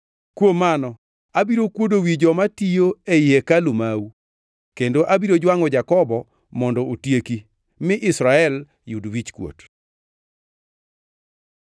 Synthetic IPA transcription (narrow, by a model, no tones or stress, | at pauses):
kwomanɔ | abiɾokwodowid͡ʒɔmatijoeekalumawu | kendoʔabiɾod͡ʒwaŋɔd͡ʒakɔbɔ | mɔndɔʔotjeki | mɪʔɪsɾaɛl | judwit͡ʃkwo̰t